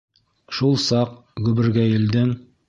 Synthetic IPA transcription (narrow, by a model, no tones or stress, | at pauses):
ʃulˠsɑqɡʉβɘ̆ɾɡæjɘ̆ld̪ɘŋ